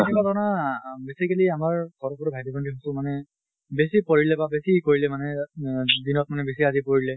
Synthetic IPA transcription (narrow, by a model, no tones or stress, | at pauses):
nɛbadɔnabesikaliamaɹɡʱɔɹɔbɔɹɔbʱajdibɔndʰiɦɔsʊ̃manɛ | besipoɹilɛbabesikoɹilɛmanɛ | dinɔt̚manɛbesiazipoɹilɛ